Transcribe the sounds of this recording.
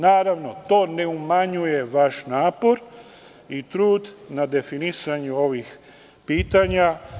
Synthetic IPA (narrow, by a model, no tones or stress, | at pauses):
naːɾaʋno̞t̪o̞ːne̞umaɲuje̞ʋaʃnaːpo̞ɾ | it̪ɾuːd̪nad̪e̞finisaɲuo̞ʋix | piːt̪aɲa